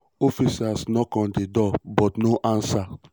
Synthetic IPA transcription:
ɔfisasnɔkɔ̃ndedɔbɔtnoʔãnsa

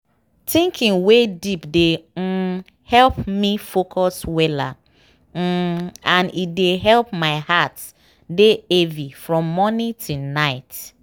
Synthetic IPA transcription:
tĩŋkʰĩŋwedipde | hɛlpmifokʰɔswɛla̰ | ãnideɦɛlp̚maɪhat | deevifɹɔ̃mːɔnĩtʰunaɪt

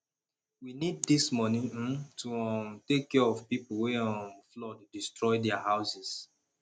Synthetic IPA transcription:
winid̚dismɔnĩtuɔ̃mtekːɛɔvpipoweɔ̃mflɔdːistɹɔjdɛahaʊsɛs

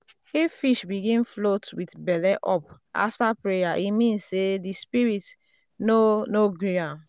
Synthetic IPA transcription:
hefiʃbiɡĩnflotwitbɛlɛʔɔp | a̰ftapɹejaʔimĩnssedispiɹit | nonoɡɹiãm

